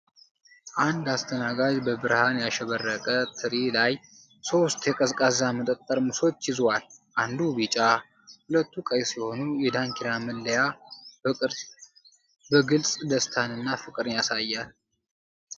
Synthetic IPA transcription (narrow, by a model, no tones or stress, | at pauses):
ʔand̪ast̪ʰənaɡad͡ʒbəbɨɾhanjaʃɛβərːəkʼət̪ʰɨɾilaj | so̞st̪jɛkʼəzkʼazamət̪ʼəkʼt̪ʼːəɾmɨso̞t͡ʃːjɪzwalʔand̪ubit͡ʃʼa | hulət̪ːukʼəjsiho̞nujɛd̪aŋkʰiɾamɨlːəjaɨɾ | bəɡɨlsʼd̪əst̪ʰanɨnːafɨkʼɨɾɨnjasajːal